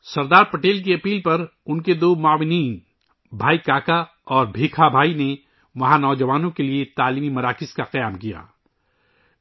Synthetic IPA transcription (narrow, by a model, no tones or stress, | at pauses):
sɐɾd̪aːɾpɐʈeːlk̬iɐpiːlpɐɾ | ʊnked̪oːmʊaːʋɪniːn | bʱaːikaːka | ɔːɾbʱiːkʰabʱaːine | ʋɐɦãnɔːd͡ʒɐʋaːnõkeliet̪aːliːmimɐɾaːkɪzkaqɐjaːmkija̰ː